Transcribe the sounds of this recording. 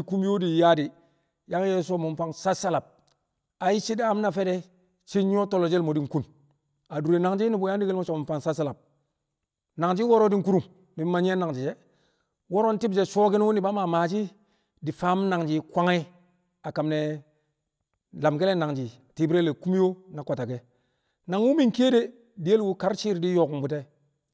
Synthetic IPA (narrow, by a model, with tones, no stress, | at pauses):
ku˦m˦jo˦di˨ja˦di˨ | ja˦ŋ˦je˦s̬o˦˨mu˨mfa˦ŋsa˦sa˦la˨p̚ | a˨ji˦t͡ʃi˦da˦m˦na˨fe˦de˦ | t͡ʃi˦ɲ˦o˦to˦lo˨d͡ʒe˦lmo˨di˦ŋ˦ku˦n | a˨du˨ɾe˨na˨ŋd͡ʒi˦ni˦bu˨˦ja˦di˦ɡi˦lmo˦t͡ʃo˨mu˨mpa˦ŋsa˦sa˦la˨p̚ | na˨ŋd͡ʒi˦wo˦ɾo˦di˦ŋ˦ku˦ɾu˦˨ŋ | mi˨˦ma˦ɲ˦e˦na˨ŋd͡ʒi˨d͡ʒe˦ | wo˦ɾo˦n˦ti˦bd͡ʒe˦soː˦ki˦n˦wu˦ni˨ba˦ma˨maː˨t͡ʃi˦ | di˨fa˨˦m˦na˨ŋd͡ʒi˨kʷa˦ŋi˦ | a˨ka˨mne˨ | la˨mɡi˦le˦na˨ŋd͡ʒi˨ti˦bi˦ɾe˦le˨ku˦m˦jo˦na˨ka˨ta˨ke˦ | na˨ŋwu˦mi˦ŋ˦ke˦de˦ | di˨je˦lwu˦ka˦ɾt͡ʃi˦ɾdi˦jo˨km˨bu˨te˦